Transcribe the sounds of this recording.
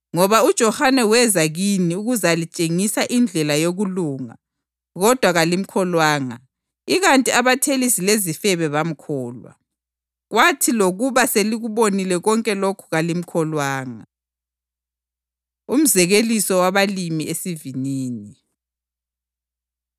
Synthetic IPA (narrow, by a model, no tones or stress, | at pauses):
ŋɔβaud̥ʒ̥ʱɔhanɛwɛzaɣiniuɣuzalit͡ʃʼeŋisaʔind͡ɮʱɛlajoɣuluːŋa̰ | ɣɔd̥ʱwaɣalim̩kʰɔlwaːŋa | iɣantʼiaβatʰelisilezifɛβɛβam̩kʰɔːlwa̰ | ɣwatʰiloɣuβaseliɣuβonilɛɣɔŋkʼɛlokʰu̥ɣalim̩kʰɔlwaːŋa | um̩zɛɣelisɔwaβalimiʔesiviniːni